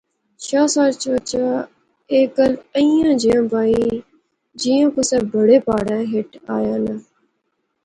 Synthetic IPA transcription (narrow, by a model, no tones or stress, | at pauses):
ʃaːsaːɾt͡ʃʋət͡ʃaː | eːkələĩːãːd͡ʒiːãːbaːiː | d͡ʒiːãkʊsɛːbʱəɽeːpaːɽɛ̃ːɦɪʈaːjãːnə